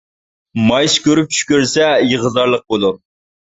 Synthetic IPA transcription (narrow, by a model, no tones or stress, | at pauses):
mɑjskʲøɾyp̚t͡ʃʰy̥kʲøɾsɛjəʁəzɑɾlˠəq̚bolˠuɾ